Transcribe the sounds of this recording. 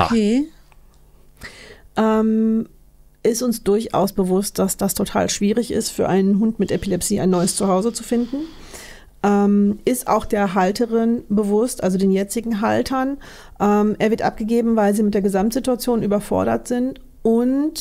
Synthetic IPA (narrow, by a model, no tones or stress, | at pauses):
e | ʔɛːm | ʔɪstʊnsd̥ʊɐçʔa̰ʊsb̥əvʊst̚d̥asd̥astʰotʰa̰ːlʃv̥iːʁɪçɪ̰stfyːɐʔaɪnənɦʊntmɪtʔepilɛpsiːa̰ɪnːɔʏəst͡suɦaʊzət͡su̥fɪndn̩ | ʔɛːmʔɪstʔa̰ʊxd̥eːɐɦaltəʁɪnbəvʊstʔalzodeːnjɛt͡sɪɡŋ̩ɦaltʰɐn | ʔɛːmʔeːɐvɪɐtʔa̰p̚ɡ̥əɡeːbm̩vaɪlziːmɪt̚d̥eːɐɡəzamtz̥ɪtuat͡sjoːnʔyːbɐfɔ̰ɐɾɐ̰tz̥ɪnt | ʊnt